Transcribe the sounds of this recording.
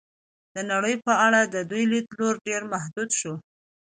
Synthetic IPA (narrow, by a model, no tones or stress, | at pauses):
d̪̥ənaɽəjpəaɽad̪əd̪ujlit̪loɾɖeɾmahd̪ud̪ʃo